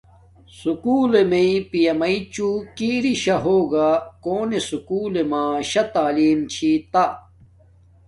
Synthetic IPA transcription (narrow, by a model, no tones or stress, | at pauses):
sukuːlemeipijɐmɐit͡ɕukiːɾiɕɐɦoːɡaːkoːnesukuːlemãːɕɐt̪aːliːmt͡ɕʰit̪a